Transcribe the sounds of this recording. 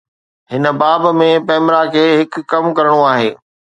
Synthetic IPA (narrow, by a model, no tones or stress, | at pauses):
hɪnəbaːbmẽpɛːmɾakʰeːɦɪkːɐmkɐɾəɽ̃oaːɦḛː